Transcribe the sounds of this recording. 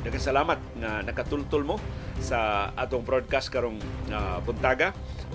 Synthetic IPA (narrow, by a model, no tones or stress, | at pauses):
nɐkasɐlaːmat̪̚ŋanɐkat̪ʊlt̪ʊlmosaʔaːt̪oŋbɾod̪̚kast̪̚kaɾoŋabʊnt̪aːɡa